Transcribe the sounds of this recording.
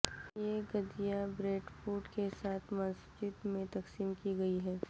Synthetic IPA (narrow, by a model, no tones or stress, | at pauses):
jeːɡɐd̪ijabɾeːʈfuːɾʈkesaːt̪ʰmɐs | d͡ʒɪd̪mẽt̪ɐksiːmkiɡɐiɦɛː